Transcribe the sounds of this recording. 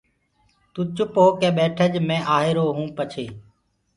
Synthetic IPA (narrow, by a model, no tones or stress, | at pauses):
t̪ũːt͡ʃʊpɦoːkẽːɓeːʈʰəʄmẽːʔaːɦeːɾoːɦũːpət͡ʃʰeː